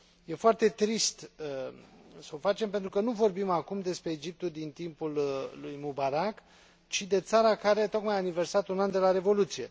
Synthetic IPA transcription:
je̞foart̪e̞t̪ɾist̪ | səofat͡ʃe̞mpent̪ɾukənuvo̞rbimakumd̪e̞spɾe̞ːd͡ʒip̚t̪ud̪int̪impullujmubaɾak | t͡ʃid̪e̞t̪saɾakaɾeat̪o̞kmajanive̞rsat̪unand̪e̞laɾe̞vo̞lut̪sije̞̰

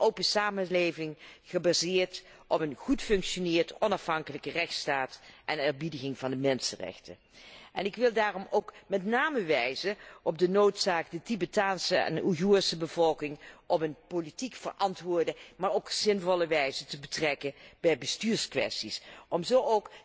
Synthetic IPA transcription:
ʔowpəsaːməlejvɪŋχəbaːzɪːɹt | ʔɔpənχutfɵŋkʃonɪːɹdəʔɔnɑfɦɑŋkələkərɛxtstaːtʔɛnɛɹbidəɣɪŋvɑndəmɛnsənrɛ̰xtə̰ | ʔɛnɪkʋɪlˠdaːrɔmowkmɛtnaːməʋɛjzəʔɔb̚dənowtsaːkdətibetaːnsəɛ̰nuɦuːsəbəvɔlˠkɪŋʔɔpənpolitikfə̰rʔɑntʋʊːɹdəmaːɹowkz̥ɪnvɔlˠəʋɛjzətəbətrɛkənb̥ɛjbəstyːɹskʋɛ̰stisʔɔmzowowk

